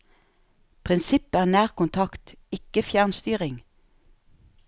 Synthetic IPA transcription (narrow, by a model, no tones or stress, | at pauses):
pʰʁɪnsɪpæːʁnæːʁkʊnt̪ʰɑkt̪ɪkəfjæʁnst̪yːʁɪŋ